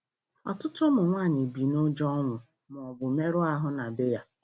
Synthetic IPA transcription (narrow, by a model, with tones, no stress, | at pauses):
ɔ̰˨tʊ˦tʊ˦mʊ˨ŋʷaː˦˨ɲɪ˨bi˨no˦d͡ʒɔ˦ŋʷʊ˨ | mʊ˨ɔ˨bʊ˨me˦ɾʊ˦a˦ɦʊ˦na˨bɪ˦ja˦